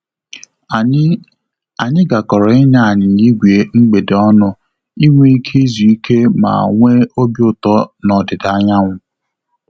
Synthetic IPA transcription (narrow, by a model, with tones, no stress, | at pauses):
a˨ɲɪ˦ɡa˨kɔ˨ɾɔ˨ɪ˦na˦a˨ɲɪ˨ɲi˦ɡʷi˨e˨ŋ͡m̩˦ɡ͡be˨dɔ˦nʊ˦ | i˦ŋʷe˦i˦kʰi˦zu˨i˦kʰe˦ma̰˨ŋʷe˦o˦bjʊ˦tɔ˦nɔ˨dɪ˨da˨˦ɲa˦ŋʷʊ˨